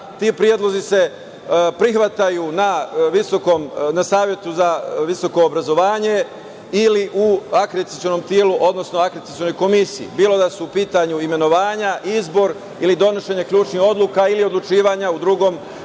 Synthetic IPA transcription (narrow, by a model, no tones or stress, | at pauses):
t̪iːpɾijed̪lˠo̞zise̞ | pɾixʋat̪ajunaʋisokomnasaːʋje̞t̪uzaʋiso̞ko̞ːbɾazo̞ʋaːɲe̞ | iliʔuakɾet̪i̥t̪io̞no̞mt̪jeluʔo̞d̪no̞sno̞akɾet̪it̪io̞no̞jko̞misiḭbiːlo̞d̪asuːpiːt̪aɲuime̞no̞ʋaːɲaʔizbo̞ɾ | ilid̪o̞no̞ʃe̞ɲekʎʲuːt͡ʃniho̞d̪lˠukailiod̪lut͡ʃiːʋaɲaud̪ɾuɡo̞ːm